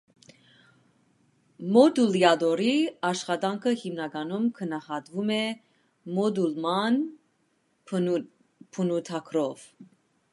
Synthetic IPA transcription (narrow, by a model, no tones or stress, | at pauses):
mɔd̪uljɑd̪ɔɾiɑʃχɑd̪ɑŋkʰəhimnɑɡɑnumkʰənɑhɑd̪vumɛ | mɔd̪ulmɑn | pʰənut̪ʰɑkʰɾɔv̥